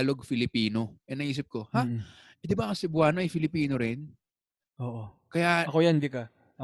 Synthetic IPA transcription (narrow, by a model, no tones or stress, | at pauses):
lo̞ɡ̚fɪlɪpiːno̞ʔɛnɐʔiːs̬ɪp̚ko̞ha | ʔɛd̪ɪbakɐsɪbwaːnoʔɐjfɪlɪpiːno̞ɾɪn | ʔoːʔokɐjaɐkojand̪ikɐ